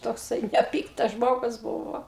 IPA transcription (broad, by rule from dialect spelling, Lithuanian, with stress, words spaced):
toːkˈsɐɪ nʲɛˈpʲiːktɐs ˈʒmoːɡʊs ˈbuːʋoː